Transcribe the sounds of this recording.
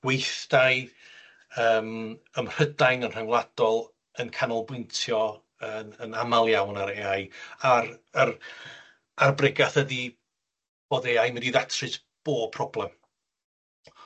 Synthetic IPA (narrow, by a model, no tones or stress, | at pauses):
wejθd̥aj | əːməmr̥ədajnənr̥aŋlˠad̥ɔlˠ | ənkʰanɔlˠbwɪntʰjɔ | ənənamalˠjawnaɾeːajarar | arbrɪɡaθədi | b̥oːðeːajmədiðatʰrɨs | b̥oːpʰrɔblˠɛm